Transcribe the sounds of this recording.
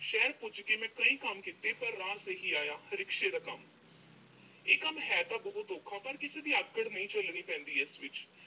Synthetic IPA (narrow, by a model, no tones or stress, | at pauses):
ʃɛːɾpʊd͡ʒkeːmɛ̃ːkəĩːkəmkɪt̪eːpəɾːãːseːɦiːaːjaːhəɾɪkʃeːd̪əːkəm | eːkəmɦɛːt̪aːbəɦʊt̪oːkʰaːpəɾkɪseːd̪iːəkːəɽnəĩːt͡ʃəlniːpɛ̃ːnd̪iːɪsʋɪt͡ʃ